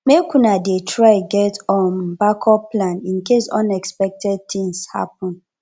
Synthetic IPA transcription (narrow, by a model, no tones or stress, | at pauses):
mekunadetʰɹaɪɡɛtɔ̃nbakʰɔplãnĩnkesɔ̰̃nɛkspɛk̚tɛd̚t̪ĩŋsha̰pɔ̃n